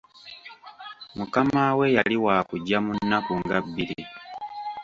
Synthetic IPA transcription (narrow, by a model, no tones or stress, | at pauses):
mukamawe̞jaliwaːkuɟːamunːakuŋɡabːili